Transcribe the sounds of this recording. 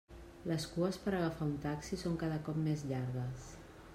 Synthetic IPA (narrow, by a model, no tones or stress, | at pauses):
ləskuəspəɾəɣəfaunt̪aksisoŋkaðəkɔpmezʎaɾɣəs